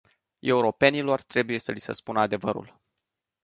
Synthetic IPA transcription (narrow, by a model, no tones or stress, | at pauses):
e̞uɾo̞pe̞nilo̞rt̪ɾe̞buje̞səlisə̰spunəad̪e̞vəɾṵl